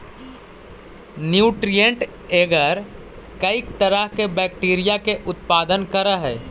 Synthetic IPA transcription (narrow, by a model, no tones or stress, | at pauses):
njuːʈɾijə̃ɳʈ | eːɡəɾ | kɐik̚t̪əɾəɦkebɛːkʈiːɾijakeʔʊt̪paːd̪ənkəɾəɦɛː